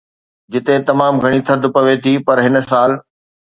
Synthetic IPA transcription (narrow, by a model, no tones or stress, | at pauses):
d͡ʑɪt̪et̪ɐmaːmɡʱɐɽ̃it̪ʰɐd̪ʊpɐʋet̪ʰipɐɾɦɪnsaːl